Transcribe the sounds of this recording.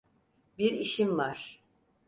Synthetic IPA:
biɾiʃimvaɾ̥

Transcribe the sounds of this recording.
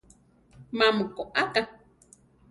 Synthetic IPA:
mamukoʔaka

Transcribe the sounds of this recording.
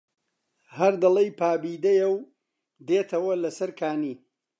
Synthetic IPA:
hɐɾd̪ɐlˠejpaːbiːd̪ɐjɐw | d̪eːt̪ʰɐwɐlɐsɐɾkʰaːniː

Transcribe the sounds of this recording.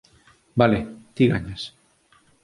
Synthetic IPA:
balet̪iɣaɲas

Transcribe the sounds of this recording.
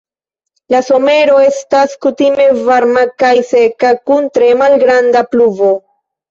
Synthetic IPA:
laso̞me̞ɾo̞e̞staskutime̞vaɾmakajse̞kakuntɾe̞malɡɾandapluvo̞

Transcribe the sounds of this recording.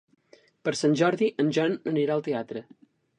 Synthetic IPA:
pəɾsanʲʒɔɾðiʔənʲʒanəniɾaəlˠt̪eat̪ɾə

